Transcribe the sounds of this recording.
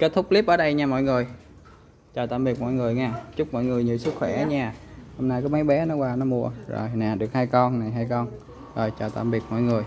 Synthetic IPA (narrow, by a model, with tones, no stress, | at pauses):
ke˦˥t̚t̪ʰʊ˦˥k͡p̚li˦˥p̚ʔəː˧˩ɗə˧jɲaː˧mɔ̰˧˨jŋɨ˨˩əj | t͡ɕəː˨˩t̪a̰ː˧˨mɓi˨˩k̚mɔ̰˧˨jŋɨ˨˩əjŋaː˧˩t͡ɕʊ˦˥k͡p̚mɔ̰˧˨jŋɨ˨˩əjɲḭ˨˧˨əsɨ˦˥k̚xwɛ˧˩˦ɲaː˧˩ho˧wŋ͡mnaː˧jkɔː˨˦ma˨˦jɓɛ˨˦nɔ˨˦kwaː˧nɔ˨˦mu˧əzo̰˨˩jnɛ˨˩ɗɨ˨˩ək̚haː˧jkɔ˧nna˨˩ɦaː˧jkɔ˧n | zo˨˩jt͡ɕəː˨˩t̪a̰ː˧˨mɓi˨˩ət̚mɔ̰˧˨jŋɨ˨˩əj